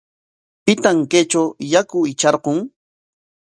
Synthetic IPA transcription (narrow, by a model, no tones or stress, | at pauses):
pɪt̪aŋket͡ʃawjakʊɪt͡ʃɑɾqoŋ